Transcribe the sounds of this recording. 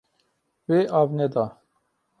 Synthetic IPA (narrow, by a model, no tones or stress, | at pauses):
weːʔɑːvnɛd̪ɑː